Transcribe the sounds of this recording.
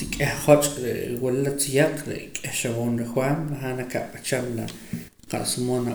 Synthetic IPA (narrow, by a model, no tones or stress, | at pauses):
tikʼehχot͡ʃʼɾḛwallat͡sijaq͡χɾḛkʼehʃawoːnɾexwanɾaχanakaʔɓat͡ʃamla | qa̰ʔsimona